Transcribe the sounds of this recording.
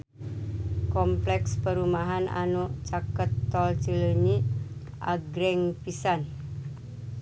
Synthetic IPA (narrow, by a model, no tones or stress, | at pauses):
kɔmplɛkspəɾumaɦanʔa̰not͡ʃakət̪ːɔlt͡ʃələɲi | ʔa̰ɡɾɛŋpisan